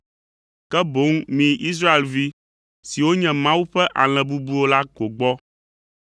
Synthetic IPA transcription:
kɛ˦bo˨˦ŋmĩ˨ʔi˦s̬ɾa˦e˨lvi˦ | si˨wo˦ɲɛ̃˨mã˦wu˦ɸɛ˦ʔa˨l̃ɛ̃˨bu˦bu˦o˦la˦ɡo˨ɡ͡bɔ˦

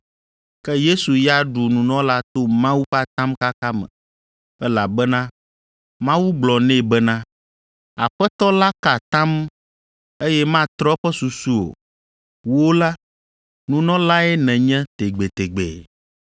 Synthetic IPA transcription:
kɛ˦je˦su˨ja˦ɖu˨nũ˨nɔ̃˦la˦t̪o˦mã˦wu˦ɸa˦˨t̪ã˦mka˦ka˦mɛ̰̃˨ | ɛ˦la˨bɛ˦nã˦ | mã˦wu˦ɡ͡blɔ˨nɛ̃˦˨bɛ˦nã˦ | a̰˨ɸɛ˦t̪ɔ˦la˦ka˨t̪ã˦m | e˦jɛ˦mã˦t̪ɾɔ˦ɸɛ˦su˨su˦o̰˨ | wo˦la˦ | nũ˨nɔ̃˦la˦ɛ˦nɛ̃˨ɲɛ̃˦t̪e˨ɡ͡be˨t̪e˨ɡ͡bḛ˨

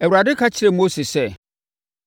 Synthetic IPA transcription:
ɛ˨wu˨ɾa˨dɪ˦kʰa˦t͡ɕʰɪ˦ɾɛ˨mo˦se˨sɛ˦˨

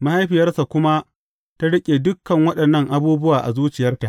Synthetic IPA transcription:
ma˦ha˦jɸɪ˨jɐ˦rsa˨kʷʊ˦ma˦ | ta˦ɽɪ˦kʲʼe˨dʊ˦kːɐ˨ŋwɐ˦ɗɐ˨nːɐ˦ŋʔa˨buː˦bʊ˦waː˨ʔa˨zuː˦t͡ʃɪ˨jɐ˦rta˨ʔ

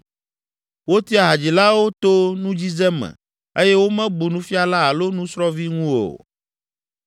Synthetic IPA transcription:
wo˦t̪i˦a˨ɦa˨d͡ʑi˨la˦wo˦t̪o˦nũ˦d͡ʑi˦zɛ˦mɛ̰̃˨ | e˦jɛ˦wo˦mɛ̃˦bu˨nũ˦fi˦a˦la˦a˨lo˦nũ˦sɾɔ˦vi˦ŋũ˦o̰˨

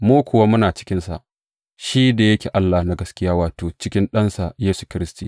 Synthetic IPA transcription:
muː˦kʷʊ˨wa˦mʊ˦naː˨t͡ʃɪ̥˦kʲɪ˦nsa˨ʔ | ʃi˦da˨jɐ˦kʲeː˨ʔa˦lːa˨hna˦ɡɐ˦skʲɪ˦jaː˦waː˨toː˨t͡ʃɪ˦kʲɪ˦nɗɐ˦nsa˨jeː˦su̥˨kʲɪ˦ɾɪ˦stiː˨

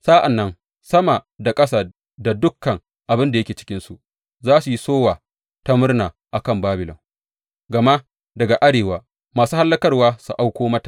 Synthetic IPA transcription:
sa˦ʔa˨nːɐ˦n | sɐ˦ma˨da˨kʼɐ˦saː˨ | da˨dʊ˦kːɐ˨ŋ | ʔa˨bɪ˦nda˨jɐ˦kʲeː˨t͡ʃɪ̥˦kʲɪ˦nsu˨ʔ | zaː˦su˨ji˦soː˦waː˨ | ta˦mʊ˦rnaː˨ | ʔa˨kɐ˦˨mbaː˦bɪ˨lɔ̰˨ŋ | ɡɐ˨ma˦ | dɐ˨ɡa˨ʔa˦ɽeː˨waː˦ | maː˨suː˦ha˦lːɐ˦kɐ˦rwaː˦su˨ʔa˦wkʷoː˦mɐ˦tḁ˨

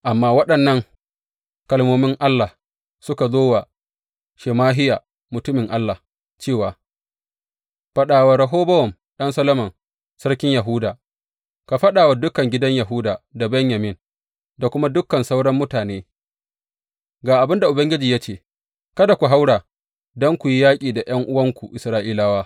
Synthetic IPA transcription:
ʔa˨mːaː˦wɐ˦ɗɐ˨nːɐ˦ŋ | kɐ˨lmoː˦mɪ˦ŋʔa˦lːa˨ | sʊ˦ka˨zoː˦wa˨ | ʃe˨maː˦ɦɪ˦jaː˨ | mʊ˨tʊ˦mɪ˨ŋʔa˦lːa˨ | t͡ʃeː˦˨waː˨ | ɸɐ˦ɗaː˨wa˨ɾɐ˨ɦoː˦bɐ˦wɔ˨m | ɗɐ˦nsɐ˦lɐ˦mɐ˨n | sɐ˦ɽkʲɪ˦ɲja˨ɦʊ˦daː˨ | ka˨ɸɐ˦ɗaː˨wa˨dʊ˦kɐ˨ŋɡʲɪ˦dɐ˦ɲjɐ˨ɦʊ˦daː˨da˨bɛ˦ɲjɐ˨mɪ˦n | da˨kʷʊ˦ma˦dʊ˦kːɐ˨nsa˦wɽɐ˦mːʊ˦taː˨neː˦ | ɡaː˨ʔa˨bɪ˦nda˨ʔʊ˨bɐ˦ŋɡʲɪ˦d͡ʒiː˨ja˦t͡ʃeː˨ | kɐ˦da˨kʷu˨ɦa˦wɽaː˨ | dɔ˦ŋkʷu˨ji˦jaː˦kʲʼiː˨da˨j̰ɐ˦ŋʔʊ˦wɐ˦ŋkʷu˨ʔɪ˨sɾaː˦ʔiː˦laː˦waː˦

